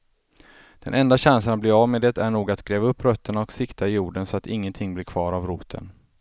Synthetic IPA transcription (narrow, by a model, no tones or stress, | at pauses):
d̪̥ɛ̰nʔɛnd̪aɕansanat̪̚blɪːɾavmed̪ɛt̪æɳuːɡat̪ɡ̥ɾeːvaɵpːɾœt̪ʰːəɳaɔksɪkt̪ʰaɪjuːɖənsɔat̪ɪŋːənt̪ʰɪŋːblɪːɾkʰvɑːɾavɾuːt̪ʰə̰n